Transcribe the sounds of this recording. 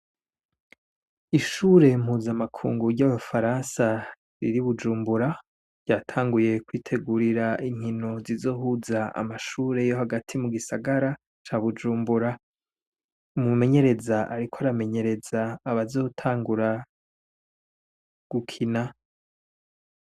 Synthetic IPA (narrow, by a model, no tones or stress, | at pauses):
iʃuːɾe̞m̥huːzamakʰṵːŋɡuɾɟaβafaɾansa | ɾḭɾiβud͡ʒuːmbuɾa | ɾɟ̥aːtʰaːŋɡuje̞kwiːtʰe̞ɡuɾiɾaʔiŋ̥hino̞zizo̞ːhuzaa̰maʃuːɾe̞jo̞haɡatʰimuɡisaɡaɾa | t͡ʃaːβud͡ʒuːmbuɾa | umume̞ɲe̞ɾe̞zaʔaɾikʰoaɾame̞ɲe̞ɾe̞zaːβazo̞ːtʰaːŋɡuɾa | ɡ̥ukʰina